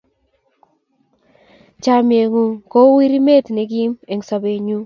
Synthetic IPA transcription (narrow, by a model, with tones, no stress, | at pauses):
t͡ʃa˨˦mi˨e˨ŋo˨ko˦wi˦ɾi˦me˦˨tne˨ɡi˦me˨ŋ˨sa˨be˨ɲu˦